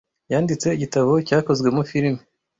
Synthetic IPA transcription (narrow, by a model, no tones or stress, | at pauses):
jaːndit͡se̞iɟitaβo̞caːko̞zɡwe̞mufiɾme